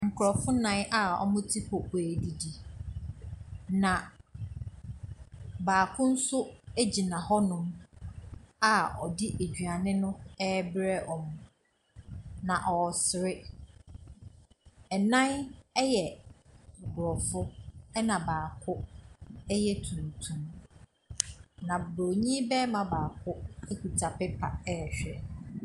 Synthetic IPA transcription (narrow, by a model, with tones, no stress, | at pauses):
ŋ̩˨kʰʊ˨ɾɔ˨fʊ˦nã˦n˦ʔa˨ɔ̰˨mʊ̃˦tʰi˦pʰɔ˨æ˨di˨di˨ | nã˨ | baː˨kʰʊ̃˦n̩˦sʊ˦æ˦d͡ʑi˨nã˨hɔ˦nʊ̃˦m | a˨ɔ˨dɪ˦ʔe˨d͡ʑɥa˨nɪ̃˦nʊ̃˦ɛ˦bɾɛ˦˨ʔɔ˨mʊ̃˨ | nã˨ʔɔ˨sɪ˨ɾɪ˦ | ɛ˨nã˦nɛ˦jɛ˨ | bʊ˨ɾɔ˨fʊ˦ɛ˦nã˨baː˨kʰʊ˦ | ɛ˦jɛ˦tʰũ˨n˨tʰũ˨m | nã˨bbo˨ɲĩ˦bɛ˦mã˨baː˨kʰʊ˦e˦ku˨tʰa˨pɪ˦pʰa̰˨ɛ˦˨ɕᶣɛ˨